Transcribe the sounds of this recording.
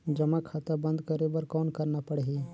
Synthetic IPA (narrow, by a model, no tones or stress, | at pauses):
d͡ʒɐmakʰat̪abɐ̃nd̪kɐɾebɐɾkɔːnkɐɾnapɐɽeɦeː